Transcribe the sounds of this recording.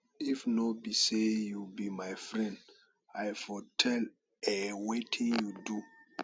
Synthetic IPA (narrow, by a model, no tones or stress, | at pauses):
ifnɔbisejubimajfɹɛ̃nd | ajfɔtʰɛl | ɛwetʰĩnjudu